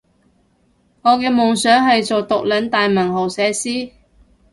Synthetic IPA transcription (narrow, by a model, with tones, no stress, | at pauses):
ŋɔː˨˧kɛː˧mʊ˨ŋsœː˨˥ŋɦɐ˨jt͡so˨wt̪ʊ˨k̚lɐ˨˥nt̪aː˨jmɐ˨˩ɦo˨˩wsɛː˨˧siː˥